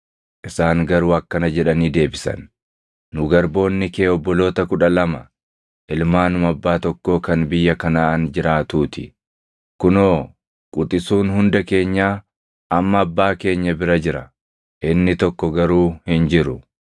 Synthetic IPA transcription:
ʔɪsaːŋɡɐɾuːɐkːɐnɐd͡ʒɛᶑɐniːd̪e̞ːbɪsɐ̰nː | ʊɡɐɾbo̞ːnːɪke̞ːɔbːɔlo̞ːt̪ɐkʊᶑɐlɐmɐ | ʔɪlmaːnʊmɐbːaːt̪ɔkːo̞ːkɐnbɪjːɐkɐnaːɐnd͡ʒɪɾaːt̪uːt̪ɪ | kʊnoː | kʼʊt̪ʼɪsuːnhʊnd̪ɐke̞ːɲːaː | ʔɐmːɐːbːaːke̞ːɲːɐbɪɾɐd͡ʒɪɾɐ | ʔɪnːɪt̪ɔkːɔɡɐɾuːhɪnd͡ʒɪɾʊ

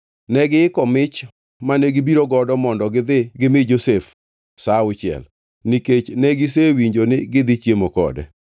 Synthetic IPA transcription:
nɛɡɪɪkɔmɪt͡ʃ | manɛɡɪbiɾoɡɔdɔmɔndɔɡɪd̪ɪɡɪmɪd͡ʒosef | saʊt͡ʃɪɛ̰l | niket͡ʃnɛɡɪs̬ewiɲd͡ʒonɪɡɪd̪ɪt͡ʃjemokɔ̰dɛ̰

